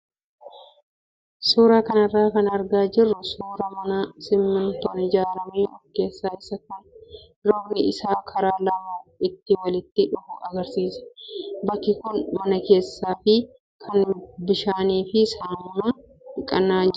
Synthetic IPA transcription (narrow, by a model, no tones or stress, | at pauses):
suːɾakɐnɐrːaːkɐnɐɾɡaːd͡ʒɪrːʊsuːɾɐmɐnɐsɪmːʊnt̪oːnɪd͡ʒaːɾɐmeːɔ̰fkːe̞ːsːaːɪsɐkʊn | ɾɔɡnɪɪsaːkʰɐɾaːlɐmaːɪt̪ːɪwɐlɪt̪ːɪᶑʊfʊʔɐɡɐɾsiːsɛ̥bɐkːɪkʊnmɐnɐke̞ːsːaːfɪ | kʰɐnbɪʃaːniːfɪsɐnmɐ | ɪkʼɐnːaːd͡ʒ